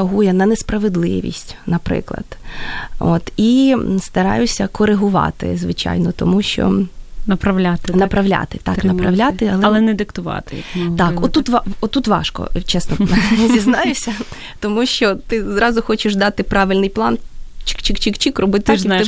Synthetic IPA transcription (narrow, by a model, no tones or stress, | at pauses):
ɐɦujɛnɐnespɾɐʋed̪lˠɪ̰ʋʲḭsʲtʲnɐpɾɪ̰klˠɐ̰d̪̥ | o̰t̪ist̪ɐɾɑ̰jʊsʲɐkɔɾɪɦʊʋɑ̰t̪ɪ̰zʋɪt͡ʃa̰jnɔt̪ɔmuʃt͡ʃɔ̰nɐpɾɐʋlʲat̪ɪnɐpɾɐʋlʲa̰t̪ɪt̪ɑknɐpɾɐʋlʲat̪ɪɐlˠɛlˠɛnɛd̪ɪkt̪ʊʋɑ̰t̪ɪjɐt̪ɑkɔt̪ːut̪ʋɑɔt̪ːut̪ʋɑ̰ʃkɔ̰t͡ʃɛsnɔzʲiznɑjʊsʲɐ | t̪ɔmuʃt͡ʃɔt̪ɪzɾɑzʊxɔt͡ʃɪʃd̪ɑt̪ɪpɾɑʋɪlʲnɪjplˠɑnt͡ʃɪ̥kt͡ʃɪkt͡ʃikt͡ʃikrɔbɪt̪ɪɪ